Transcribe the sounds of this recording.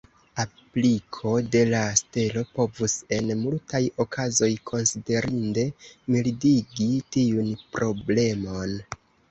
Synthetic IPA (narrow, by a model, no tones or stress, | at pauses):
aplikʰo̞de̞laste̞lo̞po̞vuse̞nmultʰajo̞kʰazo̞jkʰo̞nside̞ɾinde̞milidiɡitiunpɾo̞ble̞mo̞n